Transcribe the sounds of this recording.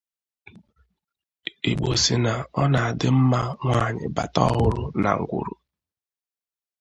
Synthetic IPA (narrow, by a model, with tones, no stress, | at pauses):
i˨ɡ͡bo˨si˨na˨ɔ˦na˨a˨dɪ˦m̩˦ma˦ŋʷa˦˨ɲɪ̰˨ba̰˨tɔ˦ɦʊ˦ɾʊ˨na̰˨ŋ̩˨ɡʷʊ̰˨ɾu˨